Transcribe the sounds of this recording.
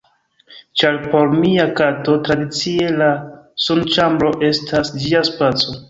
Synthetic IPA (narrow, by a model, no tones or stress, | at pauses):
t͡ʃaɾpo̞ɾmiakato̞tɾadit͡sie̞lasont͡ʃambɾo̞ʔe̞stʰasd͡ʒiaspat͡so